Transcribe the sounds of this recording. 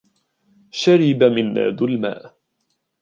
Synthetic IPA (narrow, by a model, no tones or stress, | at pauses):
ʃaɾɪbamɪnːa̰ːd̪ʊlma̰ːʔ